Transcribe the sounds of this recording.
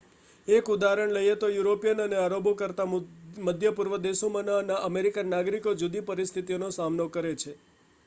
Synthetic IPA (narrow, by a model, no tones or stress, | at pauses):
ekud̪aɾəɳləjet̪ojuɾopijənəneaɾobʱokəɾt̪aməd̪ʱjəpuɾʋəd̪eʃomananaʔəmeɾikanːaɡɾikod͡ʒud̪ipəɾist̪ʰit̪ionosamnokəɾet͡ʃʰe